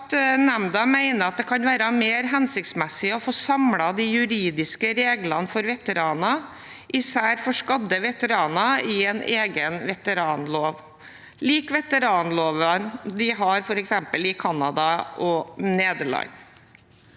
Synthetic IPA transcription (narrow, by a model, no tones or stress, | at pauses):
t̪næmd̪ɑmæɪnəɾɑt̪̚d̪ɛkʰɑnʋæːɾɑmeːɾɦɛnsɪk̚t̪smɛsɪɔfɔsɑmɽɑd̪ɪjʉɾiːd̪ɪskəɾeːɡlɑnfɔɾʋɛt̪əɾɑːnɑ | ʔɪsæːɾfɔʂkɑd̪əʋɛt̪əɾɑːnɑɪɛneːɡənʋɛt̪əɾɑːnloːʋ | liːkʋɛt̪əɾɑːnloːʋənd̪ɪɦɑɾfɔɾɛksɛmpəlɪkʰɑnɑd̪ɑʔɔneːd̪əɭɑ̰ɲ